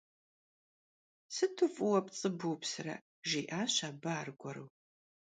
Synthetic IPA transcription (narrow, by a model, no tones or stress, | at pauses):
sɨtʰɨfʼʊwɐpt͡sʼɨbuːpsɨrɐ̰ | ʒiːʔaːɕaːbɐaːrɡʷɔɾɨw